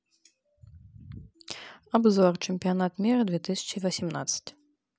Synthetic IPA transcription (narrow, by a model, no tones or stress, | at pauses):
abzɔrt͡ʂɨmʲpʲijanat̪mʲiɾɐd̪vʲɛt̪ɨsʲɐ̥t͡ʂɨvɐsʲimna̰t̪sə̥t͡sʲ